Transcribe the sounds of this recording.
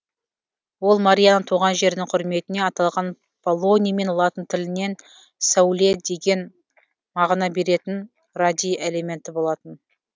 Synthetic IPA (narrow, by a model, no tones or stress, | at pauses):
wo̞lˠmaɾʲijanəɴt̪ʰuʁɑnʒe̞ɾd̪ɪŋqʰʊɾme̞t̪ɪne̞ɑt̪ɑlˠʁɑn | pʰolˠo̞nʲijame̞nlˠɑt̪ənt̪ʰɪlɪne̞n | sawlʲe̞d̪e̞ɡʲe̞n | mɑʁnɑbe̞ɾe̞t̪ɪn | rad̪ʲijʔele̞mʲe̞nt̪ɪbo̞lˠɑt̪ən